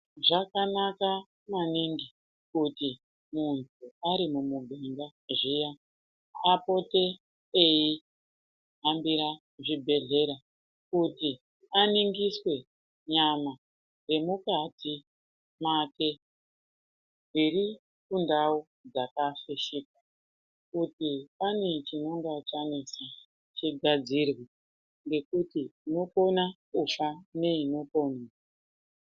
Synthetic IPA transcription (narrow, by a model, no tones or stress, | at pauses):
ʐakanaka | maniŋɡi | kuti | muntʰuaɾimumubʱeŋɡa | ʐija | apo̞te | eji | ɦambiɾa | ʐibʱe̞ɮe̞ɾa | kuti | aniŋɡiswe̞ | ɲama | re̞mukati | mate̞ | ɡiɾi | kundau | d͡zakafeʃika | kutipane̞t͡ʃino̞ŋɡat͡ʃanisa | t͡ʃiɡʱad͡zirwi | ŋɡe̞kutiːno̞ko̞nakufane̞ino̞po̞niːsa